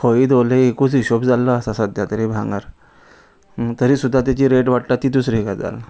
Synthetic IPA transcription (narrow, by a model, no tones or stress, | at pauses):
kʰoid̪oleekut͡siɕobd͡zalːəasasəd̪ʱjat̪əɾibʱã̰ŋɡaɾ | t̪əɾiːsud̪ʱːat̪̬jat͡ɕiːɾeʈʋaʈʈat̪iːt̪usɾikad͡za̰l